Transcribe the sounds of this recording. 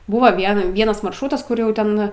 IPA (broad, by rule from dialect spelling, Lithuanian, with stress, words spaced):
ˈbʊʋɐ ˈʋʲiɛn ˈʋʲiɛnɐs mɐrʃˈruːtɐs ˈkʊr jɛʊ ˈtʲɛn